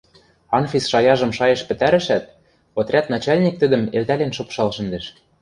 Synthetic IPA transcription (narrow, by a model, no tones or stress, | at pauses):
ɑnfʲisʃɑjɑʒɤ̆mʃɑjɤ̆ʃpɘ̆t̪æɾɘ̆ʃæt̪̚ | ŏt̪rʲæt̪nɑt͡ɕɑlʲnʲik̚t̪ɘ̆d̪ə̆melt̪ælenʃŏpʃɑlʃɘ̆nd̪eʃ